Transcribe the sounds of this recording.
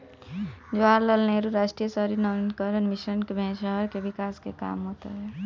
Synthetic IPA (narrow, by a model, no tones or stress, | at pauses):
d͡ʒaːɾləlneɾuɾaːʃʈɾijəsəɦɾinɔːnkəɾənmɪʃənkebʱɛ̃ːʃəɦəɾkeʋɪkaːskeka̰ːmɦoːt̪a̰ɦɛː